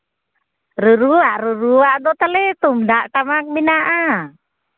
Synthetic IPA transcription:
ɾuɾuaʔɾuɾuaʔdɔt̪əlit̪umdaʔʈamak̚minaʔa

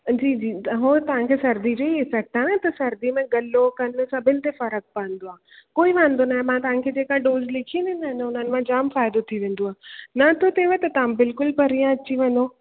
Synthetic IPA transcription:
d͡ʑiːd͡ʑiːɦoːt̪ɐʋ̤ãkʰeːsɐɾd̪id͡ʑoiɪfɛːk̚ʈaːnat̪ɐsɐɾd̪imẽɡɐlokɐnsɐbʱɪnɪ̃t̪efɐɾək̚paə̃n̆d̪oaː | koːiʋãːnd̪onaːɦẽmãt̪ɐʋ̤ãkʰeːd͡ʑeːkãɖoːzlɪkʰĩnd̪inaɦɪnʊn̤ənɪ̆mãd͡ʑaːmfaːɪd̪ot̪ʰiʋẽːn̆d̪oaːnɐt̪ʰot̪eːʋət̪ɐt̪ɐʋ̤ãbɪlkʊlpɐɾijãɐt͡ɕiʋẽːnd̪o

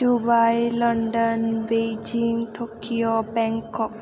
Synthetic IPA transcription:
dubajlɔnɖɔnbejd͡ʒiŋʈʰokiobɛŋkɔk̚

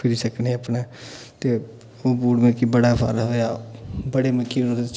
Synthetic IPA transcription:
pʰɪɾiːsəkneːəpnaː | t̪eː | oːbuːɽmẽːkibəɽaːpʰa̰ːɾɦoːjaːbəɽeːməkiːnod̪

